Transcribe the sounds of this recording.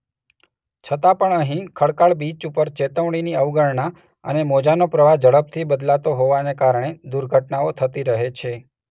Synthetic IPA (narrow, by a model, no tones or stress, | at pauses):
t͡ʃʰət̪apəɳəɦĩkʰəɭkaɭbit͡ʃupəɾt͡ʃet̪əʋɽ̃iniəʋɡəɭɳa | ə̰nemod͡ʒanopɾəʋad͡ʒəɭəp̚t̪ʰibəd̪lat̪oɦoʋanekaɾɳ̃ed̪uɾɡʱəʈnaot̪ʰət̪iɾəɦet͡ʃʰe